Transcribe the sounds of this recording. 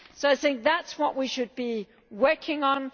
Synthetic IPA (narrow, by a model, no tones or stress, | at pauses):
soʊaɪθɪ̃ŋk̚ðætswʌʔwiʃɨd̚bi | wɜ˞kʰɪ̃ŋə̃n